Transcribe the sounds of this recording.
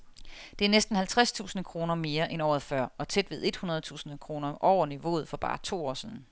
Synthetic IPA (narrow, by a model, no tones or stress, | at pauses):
d̥e̝æɐnesd̥n̩hælt͡sʰʁast͡sʰṵːsn̩kʰʁo̝ːnɐme̝ːɐʔenɒ̰ːð̩ˠfɶɐ̰ɒ̽t͡sʰed̥ʋe̝ð̞ˠe̝d̥hunɐð̞̩ˠt͡sʰṵːsn̩kʰʁo̝ːnɐʔɒʊ̰ɐniʋo̝̰ːð̞̩ˠfɒ̽b̥ɑ̈ːt͡sʰo̝̰ːɒ̰ːsiðˠn̩